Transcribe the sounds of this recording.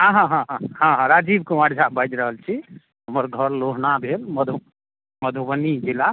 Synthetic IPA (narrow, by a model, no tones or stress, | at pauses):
ɦãɦãɦãɦãhãɦãɾad͡ʒibkumaɾd͡ʒʱabəd͡ʒɾəɦəlt͡ʃʰi | ɦəməɾɡʱəɾloɦnabʱelməd̪ʱ | məd̪ʱubənid͡ʒila